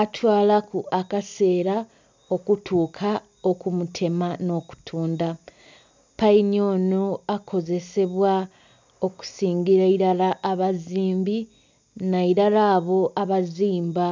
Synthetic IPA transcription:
atʰwaːlakuʔakase̞ːɾa | o̞kutʰuːkʰa | o̞kumutʰe̞mano̞ːku̥tʰuːnda | paiɲo̞ːnoakʰo̞ze̞se̞βwa | o̞ku̥siːŋɡiɾaiɾalaʔːβaziːmbi | naiɾalaːβo̞ʔaβaziːmba

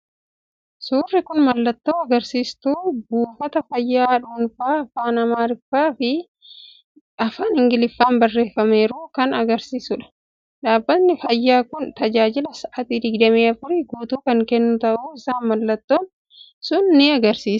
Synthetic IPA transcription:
suːrːɪkʊnmɐlːɐt̪ːoːɐɡɐɾsiːst̪uːbuːfɐt̪ɐfɐjːaːᶑuːnfaːɐfaːnɐmaːɾɪfːaːfɪ | ɐfaːnhɪŋɡɪlɪfːaːnbɐrːe̞ːfːɐme̞ːɾuːkɐnɐɡɐɾsiːsʊᶑɐ̥ | ᶑaːbːɐt̪nɪfɐjːaːkʊnt̪ɐd͡ʒaːd͡ʒɪlɐsɐt̪id̪ɪɡd̪ɐmeːɐfʊɾɪɡuːt̪uːkɐŋkɛnːʊt̪ɐʔuːɪsaːnmɐlːɐt̪ːoːn | sʊnːɪɐɡɐɾsiːs

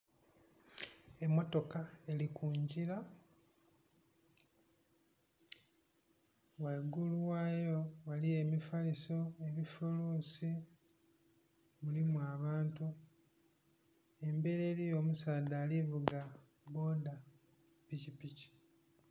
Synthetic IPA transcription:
e̞mːo̞to̞kaelikuːɲɟiɾa | weɡulwaːjo̞walie̞mifaliso̞e̞βifuluːsi | mulimwaːβaːntu | e̞mbe̞ɾe̞ːɾijo̞ːmusaːdaːlivuɡa | bo̞da | picipici̥

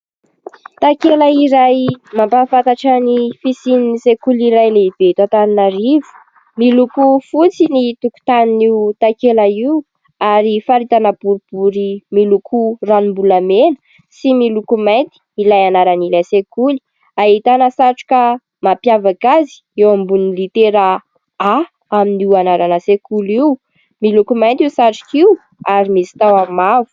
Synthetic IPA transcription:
t̪akeləiɾajmampafant̪aʈ͡ʂənifisininisekuliɾajleib̥eit̪at̪aninaɾivu̥ | milukufut͡sinit̪uku̥t̪aniniut̪akelaiu | aɾifaɾit̪anab̥uɾib̥uɾimilukʰuranimbulamenə̥ | similukumajnt̪i̥ilajanaɾanilasekuli̥ | aɦit̪anəsaʈ͡ʂu̥ka | mapjavaɡazi̥ewambunilit̪eɾa | a | aminiwanaɾanasekuliw | milukumajnt̪iusaʈ͡ʂi̥kiu | aɾimisi̥t̪awamavu̥

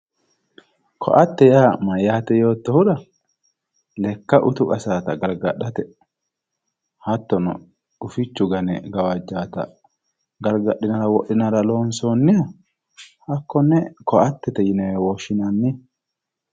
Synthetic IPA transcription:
kʰɔ̰ʔɐt̪ːɛjaːmɐjːaːt̪ɛjo̞ːt̪ːɔhʊᶑɐ | lɛkːɐʔʊt̪ʊkʼɐsaːt̪ɐɡɐlɡɐɗːɐt̪ɛ | hɐt̪ːɔnɔ̰ | ʊfɪt͡ʃːʊɡɐnɛ̰ɡɐwɐd͡ʒːaːt̪ɐ̰ | ɡɐlɡɐɗɪnɐɾɐwɔʔːɪnɐɾɐloːnsoːnːɪjɐ | hɐkːɔnːɛkɔʔɐt̪ːɛt̪ɛjɪnɛɛwɔʃːɪnɐnːɪ

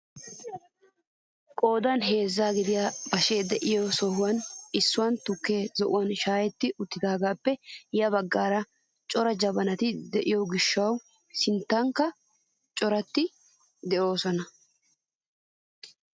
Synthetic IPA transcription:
kʼo̞ːd̪ɐnɦe̞ːzːaːɡɪd̪ɪjaːbɐʃeːd̪ɛʔɪjɔsɔhʊwɐnɪsːʊwɐnt̪ʊkːe̞ːzɔʔʊwɐnʃaːjɛt̪ːɪʔʊt̪ːɪd̪aːɡaːpːɛjɐbɐɡːaːɾɐ | t͡ʃʼɔɾɐd͡ʒɐbɐnɐt̪ɪd̪ɛʔɪjɔɡɪʃːɐw | sɪnt̪ːɐŋkːɐ | t͡ʃʼɔɾɐt̪ːɪ | d̪ɛʔo̞ːsɔnɐ

